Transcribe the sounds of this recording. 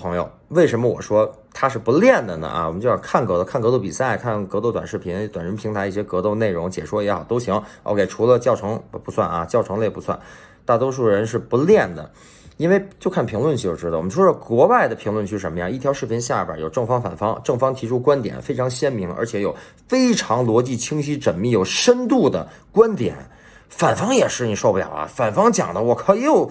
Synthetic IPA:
pʰɤ˧˥ŋjo˨˧ʊwe˥˩ɪʂə˧˥nmə˧wɔ̰˨˩ʂwɔ˥ | t̪ʰa˥ʂɻ̩˥˩pu˧˥ljɛ˥˩nd̪ə˩nə̰˩ʔɐ̰˩wmə˦t͡ɕjɑ˥˧˩kʰa˥˩nkɤ˧˥d̪ə˧kʰa˥˩nkɤ˧˥t̪̬o˥˩ʊpi˨˩sa˥˩ɪkʰa˥˩nkɤ˧˥t̪o˥˩ʊt̪wa˨˩nʂɻ̩˥˩pʰi˧˥nt̪wa˨˩nɻə˧˥npʰi˧˥ŋt̪ʰa˧˥ɪi˥˩ɕjɛ˥kɤ˧˥t̪o˥˧ʊne˥˩ɪɻʊ˧˥ŋt͡ɕjɛ̰˨˩ʂwɔ˥jɛ˧˥xɑ˨˩ʊt̪o˥ʊɕi˧˥wo̰˥˧ʊkʰe˥˩ɪʈ͡ʂʰu˧˥lə˧t͡ɕjɑ˥˧ʊʈ͡ʂʰɤ˧˥ŋpu˧˥swa̰˥˩nɐ̰˩t͡ɕjɑ˥˩ʊʈ͡ʂʰɤ˧˥ŋle˥˩ɪpu˧˥swa̰˥˧˩n | t̪a˥˩t̪wɔ˥ʂ̬u˥˩ɻə˧˥nʂɻ̩˥˩pu˧˥ljɛ˥˩nd̪ə̰˩ | i˥nwe˥˧ɪt͡ɕjo˥˧kʰa˥˩npʰi˧˥ŋlwə˥˧nt͡ɕjo˥˧˩ʈ͡ʂɻ̩˥d̪ə˩wɔ˨˩mə˦nʂwɔ˥ɑ˥˩kwɔ˧˥wa˥˩ɪd̪ə˩pʰi˧˥ŋlwə˥˧nt͡ɕʰy˥˩˥ʂə˧˥mə˧jɑ̰˥˧i˥˩t̪ʰjɑ˧˥ʊʂɻ̩˥˩pʰi˧˥ŋɕja˥˩bjə̰˨˩˥jo˨˩ʊʈ͡ʂɤ˥˩ŋfɑ˥ŋfa̰˨˩nfɑ˥ŋʈ͡ʂɤ˥˩ŋfɑ˥ŋt̪ʰi˧˥ʈ͡ʂʰu˥kwa˥nt̪jɛ̰˨˩nfe˥ɪʈ͡ʂʰɑ˧˥ŋɕjɛ˥nmi˧˥ŋə̰˞˧˥t͡ɕʰjɛ˧˥jo˨˩ʊ | fe˥ɪʈ͡ʂʰɑ˧˥ŋlwɔ˧˥t͡ɕi˥˩t͡ɕʰi˥ŋɕi˥ʈ͡ʂə˨˩nmi˥˩jo˨˩ʊʂə˥nt̪u˥˩d̪ə̰˩ | kwa˥nt̪jɛ̰˨˩˦n | fa˨˩nfɑ˥ŋjɛ˨˩ʂɻ̩˥˩ni˨˩ʂo˥˧ʊpu˥˩ljɑ̰˨˩ʊlɐ̰˧˥fa˨˩nfɑ˥ŋt͡ɕjɑ̰˨˩ŋd̪ə˦wɔ˨˩kʰi˧˥j

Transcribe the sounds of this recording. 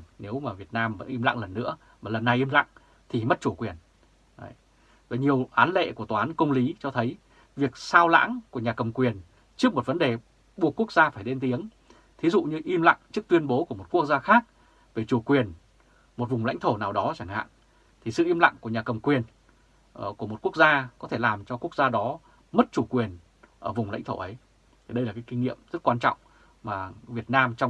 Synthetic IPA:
ne˨˦wmaː˨˩vi˨˩ət̚naː˧mvə̰˧˥nʔi˧mla̰˧˨ŋlə˨˩nːɨ̰˧˥ə | maː˨˩lə˨˩nːa˨˩jʔi˧mla̰˧˨ŋ | t̪ʰi˨˩mə˦˥t̚t͡ɕu˧˩kwi˨˩ən̰˧˨ | va˨˩ɲi˨˩əwʔaː˨˦nlḛ˧˨ku˧˩ət̪waː˨˦nkə˧wŋ͡mli˨˦t͡ɕɔ˧t̪ʰə˨˦j | vi˨˩ək̚saː˧wla̰ː˧˥ŋku˧˩əɲaː˨˩kə˨˩wŋ͡mkwi˨˩ən | t͡ɕɨ˦˥k̚mo˨˩t̚və˨˦nɗe˨˩ | ɓu˨˩əkːu˦˥ək̚zaː˧faː˧˩jɗe˧nt̪i˨˦əŋ | t̪ʰi˨˦zṵ˧˨ɲɨ˧ʔi˧mla̰˧˨ŋt͡ɕɨ˦˥k̚t̪wi˧ənɓo˨˦ku˧˩əmo˨˩t̚ku˦˥ək̚zaː˧xaː˦˥k̚ | ve˨˩t͡ɕu˧˩kwi˨˩ən | mo˨˩t̚vʊ˨˩ŋ͡mla̰˧˥jŋt̪ʰo˧˩naː˨˩wɗɔ˨˦t͡ɕa˧˩ŋ̟ha̰ː˧˨n | t̪ʰi˨˩sɨ̰˧˨ʔi˧mla̰˧˨ŋku˧˩əɲaː˨˩kə˨˩wŋ͡mkwi˨˩ən˨˩ | ku˧˩əmo˨˩t̚ku˦˥k̚zaː˧kɔ˨˦t̪ʰe˧˩laː˨˩mt͡ɕɔ˧ku˦˥ək̚zaː˧ɗɔ˨˦ | mə˦˥t̚t͡ɕu˧˩kwi˨˩ən | ʔəː˧˩vʊ˨˩ŋ͡mla̰˧˥jŋ̟t̪ʰo̰˧˩ʔə˨˦j | t̪ʰi˨˩ɗə˧jlaː˨˩ka˨˦jki˧ŋŋḭ˧˨əmz̥ə˦˥t̚kwaː˧nt͡ɕɔ̰˧˨wŋ͡m | maː˨˩vi˨˩ət̚naː˧mt͡ɕɔ˧

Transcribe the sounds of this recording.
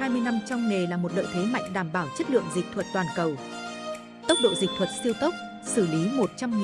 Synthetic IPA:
aː˧jmɨ˧əjna˧mt͡ɕɔ˧wŋ͡mne˨˩laː˨˩mo˨˩t̚lə̰ː˧˨jt̪ʰe˨˦ma̰˧˨jŋ̟ɗaː˧˩mɓaː˧˩wt͡ɕə˦˥t̚lɨ̰˧˨əŋzï˨˩k̟̚t̪ʰwə˨˩t̚t̪waː˨˩nkə˨˩w | t̪ə˦˥wk͡p̚ɗo̰˧˨zi˨˩k̟̚t̪ʰwə˨˩t̚si˧əwt̪ə˦˥k͡p̚ | sɨ˧˩li˨˦mo˨˩t̚t͡ɕa˧mŋi˨

